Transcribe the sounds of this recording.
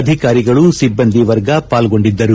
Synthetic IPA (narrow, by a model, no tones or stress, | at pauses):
d̪ʱikaːɾiɡɐɭusibːɐnd̪ʱiʋɐɾɡɐpaːlɡo̞ɳɖid̪ːɐɾu